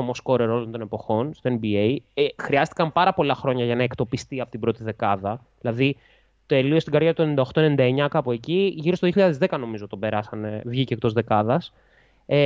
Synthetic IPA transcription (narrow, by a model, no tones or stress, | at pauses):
omosko̞ɾeɾo̞lont̪o̞ne̞po̞xo̞nst̪oenbiejexɾiɐst̪i̥kɐmpɐɾɐpo̞lɐxɾo̞ɲɐʝɐnɐekt̪o̞pist̪iɐpot̪ibɾo̞t̪iðe̞kɐðɐðilɐði | t̪e̞liost̪iɡɐɾʝɐt̪uenind̪ɐoxt̪o̞enend̪ɐe̞ɲɐkɐpue̞ciʝiɾost̪oðioçiʎɐðezðekɐno̞mizot̪ːt̪obe̞ɾɐsɐnevʝicek̚t̪o̞zðe̞kɐðɐs | e